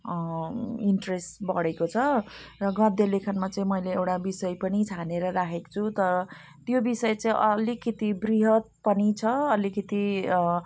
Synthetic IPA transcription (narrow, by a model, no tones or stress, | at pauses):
iɳʈresʈbʌɽekot͡sʰʌrʌɡʌ̃d̪jʌlekʰanmat͡sʌĩmʌjleewʈabisʌjpʌnit͡sʰaneɾʌɾakʰeko̥t͡sʰut̪ʌɾʌ | t̪jobisʌjt͡sʌĩʔʌlikʰit̪ibriɦʌt̪̚pʌnit͡sʰʌʌlikʰit̪i